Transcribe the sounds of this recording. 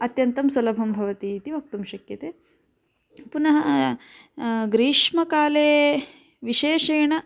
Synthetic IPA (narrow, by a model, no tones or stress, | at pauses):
ɐt̪jɐnt̪ɐmsɐlɐbʱɐmbʱɐʋɐt̪iːt̪iʋɐk̚t̪ɐmʃɐkjɐt̪eː | punɐɦɐ | ɡɾiːʂmɐkaːleː | ʋiʃeːʃeːɳɐ